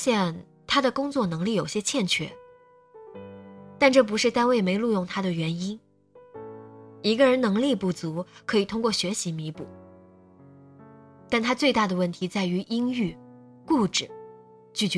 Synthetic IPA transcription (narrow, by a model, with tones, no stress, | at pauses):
ɕjɛ˥˧˩n | t̪ʰa˥d̪ə˨kʊ˥ŋt͡swɔ˥˩nɤ˧˥ŋli˥˩jo˨˩ʊɕjɛ˥t͡ɕʰjɛ˥˩nt͡ɕʰɛ̰˥˩˦ | t̪a˥˧nʈ͡ʂɤ˥˩p̬u˧˥ʂɻ̩˥˩t̪a˥nwe˥˩ɪme˧˥ɪlu˥˧jʊ˥˩ŋt̪ʰa˥d̪ə˨ɥɛ˧˥ni˥n | i˧˥ɡə˧ɻə˧˥nnɤ˧˥ŋli˥˧pu˥˩t͡su˧˥kʰɤ˧˥i˨˩t̪ʰʊ˥ŋkwɔ˥˩ɕɥɛ˧˥ɕi˧˥mi˧˥pu˥˩ | t̪a˥˩nt̪ʰa˥t͡swe˥˧ɪt̪a˥˩d̪ə˩wə˥˩nt̪ʰi˧˥t͡sa˥˩ɪy˧˥ʔi˥ŋy˥˩ | ku˥˩ʈ͡ʂɻ̩˨˩˦ | t͡ɕy˥˩t͡ɕ